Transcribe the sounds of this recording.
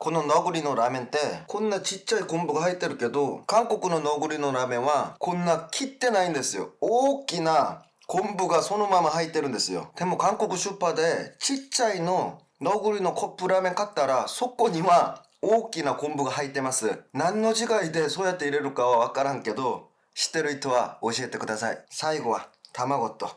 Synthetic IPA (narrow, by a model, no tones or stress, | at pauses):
ko̞no̞noɡɯɾʲinoɾamẽ̞nt̪e̞kʰõ̞nːat͡ɕit͡ɕːaikõ̞mbɯ̟ɡahait̪ːe̞ɾɯ̟ke̞d̪o̞kãŋko̞kɯ̟no̞noɡɯ̟ɾʲino̞ɾamẽ̞ɰ̃βakʰõ̞nːakʲʰit̪ːe̞naĩnd̪e̞sɨjo̞̰oːkʲina | kõ̞mbɯ̟ɡaso̞no̞mamahait̪ːe̞ɾɯ̟nd̪e̞sɨjo̰d̪̥e̞mo̞kãŋko̞kɯ̟ɕɯpːad̪e̞t͡ɕit͡ɕaino̞ | noɡɯɾʲino̞kʰo̞pːɯ̟ɾamẽ̞ŋkat̪ːaɾaso̞ko̞ɲ̟iβa | oːkʲinakõ̞mbɯ̟ɡaɦait̪ːe̞masɨnãnːo̞ʑiɡaid̪e̞soːjat̪ːeiɾe̞ɾɯ̟kaβaβakaɾãŋke̞d̪o̞ | ɕi̥t̪ːe̞ɾɯ̟it̪oβaoɕie̞t̪e̞kɯ̟d̪asa̰ḭsaiɡo̞βa̰t̪amaɡo̞t̪o